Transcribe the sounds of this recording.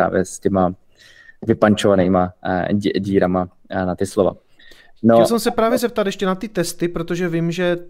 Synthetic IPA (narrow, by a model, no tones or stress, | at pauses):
a̰ːvjɛ̰scɛma | vɪpant͡ʃovaniːma | ɟiːɾama | nat̪ɪslova̰ | noɛlsɛmsɛpɾaːvjɛzɛp̚t̪at̪jɛʃcɛnat̪ɪt̪ɛst̪ɪpɾo̞t̪o̞ʒɛvɪmʒɛ